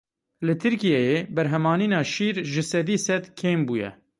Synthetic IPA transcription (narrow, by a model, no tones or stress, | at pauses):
lɨt̪ʰɨɾkijɛjeːbɛɾɦɛmɑːniːnɑːʃiːɾʒɨsɛd̪iːsɛd̪kʰeːmbuːjɛ̰